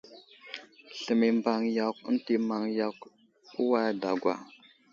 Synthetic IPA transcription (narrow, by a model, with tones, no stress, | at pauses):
ɬə˨mi˨mba˨ŋja˨kə˦nti˨ma˨ŋja˨k | u˦wa˦jda˨ɡʷa̰˨